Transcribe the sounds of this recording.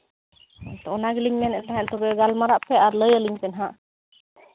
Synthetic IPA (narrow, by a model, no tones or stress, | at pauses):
t̪ɔɔnaɡliɲmɛnɛʔt̪aɦɛ̃ʔt̪ɔbɛɡalmaɾaʔpʰɛaɾləjaliɲpɛnɦaʔ